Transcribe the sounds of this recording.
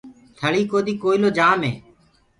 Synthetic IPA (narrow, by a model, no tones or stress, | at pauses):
t̪ʰəɭiːkoːd̪iːkoːiloːd͡ʒaːmẽː